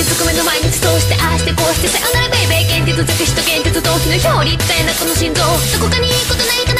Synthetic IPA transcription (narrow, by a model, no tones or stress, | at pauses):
isɨkɯmenomaiɲit͡si̥t̪oːɕi̥t̪eʔaɕi̥t̪ekoːɕi̥t̪eseʔanaɾaɡɯibeːkẽnt̪et̪ozekɯçʲi̥t̪okẽnɲt̪et̪ɨd̪o̞ːkʲinoçoːɾʲit̪ːaenakonoɕĩnd̪oːd̪okokaɲ̟ikot̪onaɾʲit̪an